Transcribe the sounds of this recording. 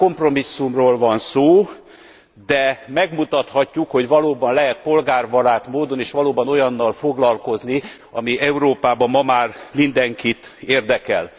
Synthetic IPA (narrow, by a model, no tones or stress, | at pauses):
ko̞mpro̞misːumroːlvɒnsoː | d̪ɛmɛɡmut̪ɒt̪hɒcːukho̞ɟvɒloːbɒnlɛɦɛt̪̚po̞lɡaːrvɒlaːt̪moːd̪o̞neːʃʋɒloːbɒno̞jɒnːɒlfo̞ɡlɒlko̞zni | ɒ̰miʔɛuɾoːpaːbɒmɒmaːrmind̪ɛŋkit̪eːrd̪ɛkɛ̰l